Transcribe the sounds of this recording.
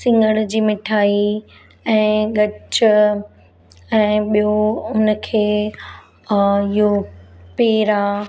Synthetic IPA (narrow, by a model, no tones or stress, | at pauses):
sɪ̃ŋɡəɽ̃d͡ʑiːmɪʈʰaːi | ɛ̃ːɡɐt͡ɕʊ | ɛ̃ːɓijoʊnə̆kʰeː | ɪɦopeːɾa